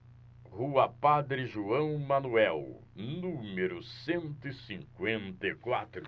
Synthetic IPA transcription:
ʁuɐpad̪ɾɪʒuɐ̃w̃mɐ̃nuɛw | nũmeɾʊsẽnt̪ʊɪsĩŋkwẽnt̪ɐikwat̪ɾʊ

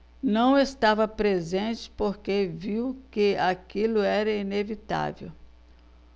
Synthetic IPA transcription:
nɐ̃w̃est̪avɐpɾezẽnt͡ʃɪ̥poɾkeviwkɪakilʊɛɾɐinevit̪a̰vḛw

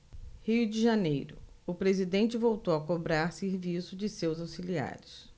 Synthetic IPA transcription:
hiwd͡ʒɪʒanejɾʊ | ʊpɾezid̪ẽnt͡ʃɪvowt̪owɐkobɾaɾseɾvisʊd͡ʒɪsewzawsilia̰ɾɪs

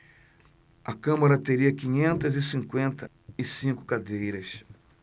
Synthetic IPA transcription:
ɐkɐ̃mɐɾɐt̪eɾiɐkĩɲẽnt̪ɐzɪsĩŋkwẽnt̪ɐ | ɪsĩkʊ̥kad̪ejɾɐs

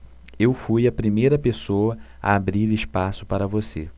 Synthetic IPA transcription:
ewfujɐpɾimejɾɐpesoɐ | a̰abɾiɾɪʃpasʊ̥paɾɐvosḛ

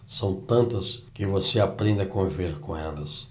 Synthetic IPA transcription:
sɐ̃w̃t̪ɐ̃nt̪ɐskɪvoseapɾẽnd̪ɐakõviveɾkõɛlɐs

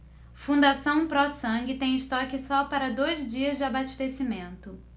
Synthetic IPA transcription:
fũd̪asɐ̃w̃pɾɔsɐ̃ɡɪt̪ẽj̃ɪst̪ɔkɪsɔpaɾɐd̪ojzd͡ʒiɐzd͡ʒɪabaʃt̪esimẽnt̪ʊ

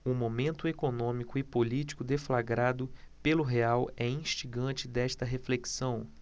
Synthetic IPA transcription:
umomẽnt̪ʊekonõmikʊɪpolit͡ʃi̥kʊd̪eflaɡɾad̪ʊ | pelʊɦeawɛĩʃt͡ʃiɡɐ̃nt͡ʃɪd̪ɛʃt̪ɐɦefleksɐ̃w̃

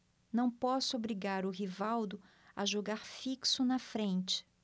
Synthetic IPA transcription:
nɐ̃w̃pɔsʊobɾiɡaɾʊɦivawd̪ʊ | ɐ̰ʒoɡaɾfiksʊnɐfɾẽnt͡ʃɪ̥

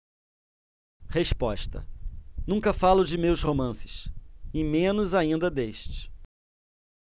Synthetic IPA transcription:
heʃpɔʃt̪ɐ̰nũkɐfalʊd͡ʒɪmewshomɐ̃sɪ̥ʃɪmẽnʊzaĩnd̪ɐd̪eʃt͡ʃɪ̥

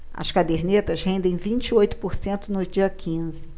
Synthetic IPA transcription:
ɐ̰skad̪eɾnet̪ɐzɦẽnd̪ẽj̃vĩnt͡ʃɪojt̪ʊ̥poɾsẽnt̪ʊnʊd͡ʒiɐkĩzɪ

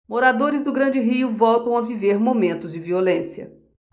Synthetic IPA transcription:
moɾad̪oɾɪzd̪ʊɡɾɐ̃d͡ʒɪɦiʊvɔwt̪ɐ̃w̃aviveɾmomẽnt̪ʊzd͡ʒɪviolẽsijɐ̰

